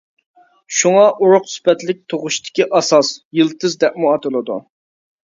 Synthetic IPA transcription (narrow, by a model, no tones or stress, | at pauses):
ʃuŋɑʔuɾʊqspɛt̪lɪk̚ʲt̪ʰoʁʊʃt̪ʰɪ̥kʲiʔɑsɑsjɨlˠt̪ʰɨzd̪ɛp̚muɑt̪ɨlˠɨd̪ṵ